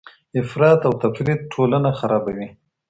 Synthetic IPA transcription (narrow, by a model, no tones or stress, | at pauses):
ɪfɾɑt̪awt̪afɾit̪̚ʈʰolanaxaɾɑbawi